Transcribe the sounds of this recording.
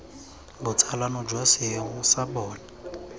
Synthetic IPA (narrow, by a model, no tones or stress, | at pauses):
bʊt͡sʰalanɔd͡ʒwasɪŋʊsabɔːla